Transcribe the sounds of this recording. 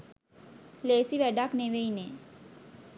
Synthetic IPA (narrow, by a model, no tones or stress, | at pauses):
leːsiʋɛɖakneʋeine